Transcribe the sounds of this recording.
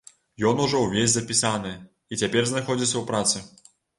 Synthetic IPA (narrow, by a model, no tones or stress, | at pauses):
jɔnuʐɔwvʲezʲzɐpʲisanɨ | it͡sʲapʲɛrznaxɔd͡zʲisʲɐwpɾat̪sɨ